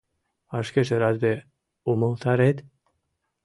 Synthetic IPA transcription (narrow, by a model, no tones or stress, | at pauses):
ɑʃkĕʒeɾɑd̪̚be | umɤlˠt̪ʰɑɾet̪